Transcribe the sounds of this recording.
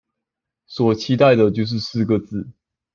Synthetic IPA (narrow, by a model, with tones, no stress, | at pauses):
swɔ˨˩t͡ɕʰi˥t̪a˥˨ɪd̪ə˨t͡ɕjo˥˧ʊʂ̬ɻ̩˥˧sɹ̩˥˨ɡə˨t͡sɹ̩˥˩